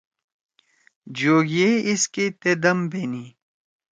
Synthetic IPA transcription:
d͡ʑoːɡeisket̪ed̪ɐmbeni

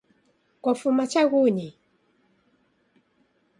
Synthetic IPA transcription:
kɔfumat͡ʃaɣuɲi

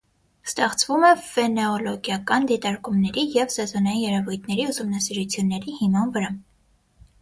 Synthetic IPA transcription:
st̪ɛχt͡sʰvumɛfɛnɛɔlɔɡjɑkɑnd̪it̪ɑɾkumnɛɾijɛvsɛzɔnɑjinjɛɾɛvujt̪ʰnɛɾiusumnɑsiɾut͡sʰjunːɛɾihimɑnvəɾɑ

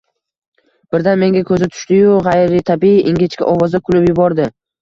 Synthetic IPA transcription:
b̥ɪɾd̪anme̞ŋʲakʰɵzɪt̪ʰʊ̥ʃt̪ɪjʊʁajɾɪt̪ʰabiiʔiŋɡʲɪt͡ʃkʲa̰ʔɒvɒzd̪akʰʊlˠɪpjʊbɒɾd̪ɪ

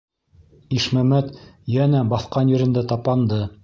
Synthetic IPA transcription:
iʃmæmæt̪jænæbɑθqɑnjɘ̆ɾɘ̆nd̪æt̪ɑpɑnd̪ɤ

